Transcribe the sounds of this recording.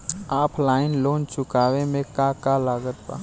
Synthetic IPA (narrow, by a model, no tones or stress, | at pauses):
aːpʰlaːɪnloːnt͡ʃʊkaːwemẽkakalaːɡət̪ba̰